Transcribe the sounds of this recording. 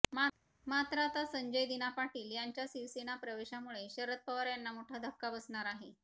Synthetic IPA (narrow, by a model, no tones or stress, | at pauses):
ma | mat̪ɾat̪asəɲd͡ʑəjd̪inapaʈiːljaɲt͡ɕjasiʋsenapɾəʋeɕamuɭeɕəɾət̪̚pəʋaɾjanːamoʈʰad̪ʱəkːabəsɳ̃aɾaɦe